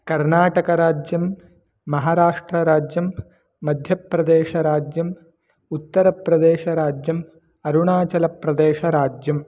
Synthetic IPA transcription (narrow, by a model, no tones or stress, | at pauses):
kɐɾnaːʈɐkɐɾaːd͡ʒjɐmː | ɐɦaːɾaːʂʈɾɐɾaːd͡ʒjɐmː | ɐd̪ʱjɐpɾɐd̪eːʃɐɾaːd͡ʒjɐm | ut̪ːɐɾɐpɾɐd̪eːʃɐɾaːd͡ʒjɐm | ɐɾuɳaːt͡ʃɐlɐpɾɐd̪eːʃɐɾaːd͡ʒjɐm